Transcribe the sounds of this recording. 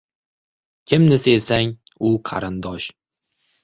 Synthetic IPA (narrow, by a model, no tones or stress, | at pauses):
kʲʰɪmnɪse̞vsaŋ | ʊqʰɑ̰ɾɪnd̪ɒʃ